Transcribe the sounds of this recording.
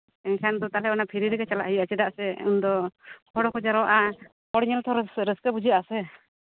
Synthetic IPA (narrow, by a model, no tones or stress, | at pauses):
ɛɲkʰand̪ɔt̪alɛɔnapʰiɾiɾɛkat͡ʃala̰ʔhijat͡ʃɛd̪aʔsɛṵnd̪ɔkʰɔɽɔkɔd͡ʒaɾɔwaʔa | kɔɽɲɛlt̪ʰɔɾsɾəskɛbud͡ʒiʔasɛ